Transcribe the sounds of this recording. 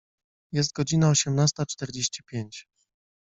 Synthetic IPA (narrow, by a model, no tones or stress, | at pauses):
jɛs̬t̪̚ɡɔd͡ʑinaɔɕɛmnast̪at͡ʂt̪ɛɾd͡ʑeɕt͡ɕi̥pʲjeɲt͡ɕ